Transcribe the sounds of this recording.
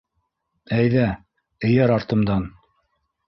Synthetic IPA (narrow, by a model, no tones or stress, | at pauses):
æjðæ | ɘ̆jæɾɑɾt̪ɤ̆md̪ɑn